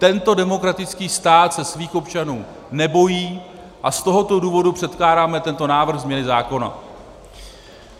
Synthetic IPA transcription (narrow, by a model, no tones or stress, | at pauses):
t̪ɛnt̪o̞dɛmo̞kɾat̪ɪt͡skiːst̪aːt̪sɛsviːxo̞pt͡ʃanuː | nɛbo̞jiː | ʔast̪o̞ɦo̞t̪o̞duːvo̞dupr̝̥ɛt̪klaːɾaːmɛt̪ɛnt̪o̞naːvr̩xzmɲɛnɪzaːko̞na̰